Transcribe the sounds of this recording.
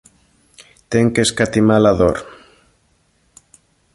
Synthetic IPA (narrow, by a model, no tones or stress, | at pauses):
t̪eŋkeskat̪imalaðo̰ɾ